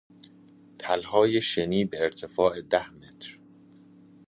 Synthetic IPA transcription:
t̪ʰælhɒːjeʃeniːbe̞ːɾt̪ʰe̞fɒːed̪æhme̞t̪ʰɾ

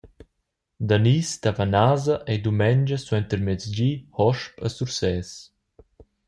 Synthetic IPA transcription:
d̪anist̪avanaːzaʔejd̪umɛɲd͡ʒəsuɛnt̪əɾmɛt͡sd͡ʑihɔʃpəsuɾsɛs

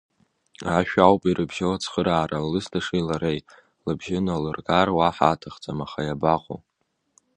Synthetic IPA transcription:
aʃᶣawpʼiɾɨbʒawat͡sʰχəɾaːɾalɨstʰaʂijlaɾejtʼ | lɨbʒɪnalɨrɡʼarwaħa̰ːtʰaχt͡sʼamaχajabaqʼo̰w

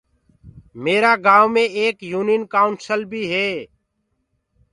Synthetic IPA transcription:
meːɾaːɡaːʋmẽːeːkjuːninkaːʊɳʈsəlbʱiːɦeː

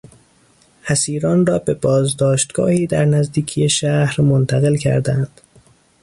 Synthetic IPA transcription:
hæsiːɾɒːnrɒːbe̞bɒːzd̪ɒːʃt̪ɡɒ̰ːhiːd̪æɾnæzd̪iːcʰijeʃæhɾmont̪ʰæɣe̞lcʰæ̰ɾd̪ænd̪̥

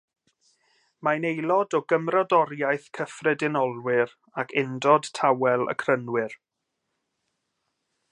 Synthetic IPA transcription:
manejlˠɔdɔɡəmrɔdɔɾjajθkʰəfrɛdɪnɔlˠwɪɾ | akʰɪndɔd̥tʰawɛlˠə̰kʰrənwɪr

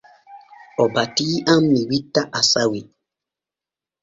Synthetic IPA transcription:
ɔbatiamːiwitːaʔasawi

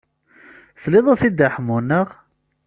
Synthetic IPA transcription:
θlɪðˤasid̪aħəmːunəʁ

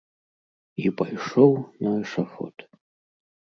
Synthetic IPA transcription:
ipajʂɔwnɐʂafɔ̰t̪

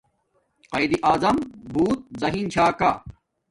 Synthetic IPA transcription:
qɐjd̪iʔaːzɐmbʱuːt̪̚zɐɦiːnt͡ɕʰaːkaː

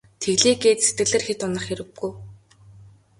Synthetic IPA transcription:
t̪ʰeɣɮiːɡeːt̪set̪ɡɘ̆ɮĕːrxet̪ʊnə̆χxeɾɘ̆ɡːuj

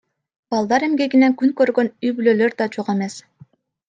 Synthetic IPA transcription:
b̥ɑlˠd̪ɑɾe̞mɡe̞ɡinekyŋkøɾɡø̞nyjbyløːlø̞ɾd̪ɑt͡ʃoʁe̞me̞s

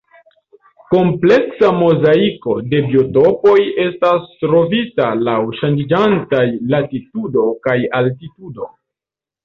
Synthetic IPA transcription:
ko̞mple̞ksamo̞zaiko̞de̞bio̞to̞po̞je̞stastɾo̞vitalawʃand͡ʒid͡ʒantajlatitudo̞kajaltitudo̞

